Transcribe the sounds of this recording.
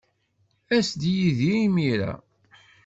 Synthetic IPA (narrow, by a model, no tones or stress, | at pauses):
æsd̪jiðiimiɾæ̰